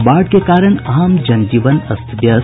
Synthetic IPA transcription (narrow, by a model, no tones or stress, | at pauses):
baːɖkekaːɾəɳ̃aːmd͡ʒɐnd͡ʒiʋənɐst̪ʰbjɐ